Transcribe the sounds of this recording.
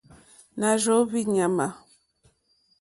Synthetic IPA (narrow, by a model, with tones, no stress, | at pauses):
na˨ʒo˨˦βi˦ɲa˨ma˨